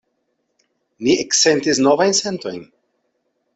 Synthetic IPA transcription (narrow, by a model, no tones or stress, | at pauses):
niɛksɛnt̪isnovajnsent̪ojn